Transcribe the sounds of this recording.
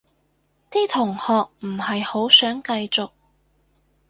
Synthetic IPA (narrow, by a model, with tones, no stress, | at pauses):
t̪iː˥t̪ʰʊ˨˩ŋhɔː˨k̚m̩˨˩hɐ˨jho˨˥wsœː˨˥ŋkɐ˧jt͡sʊ˨k̚